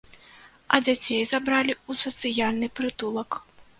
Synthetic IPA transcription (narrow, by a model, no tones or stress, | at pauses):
ɐd͡zʲat͡sʲejzabɾalʲiusɐt̪sɨjalʲnɨpɾɨt̪ulˠɐk